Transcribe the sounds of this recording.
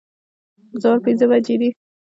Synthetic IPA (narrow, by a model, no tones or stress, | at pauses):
zoɾpɪnzəbad͡ʒed̪i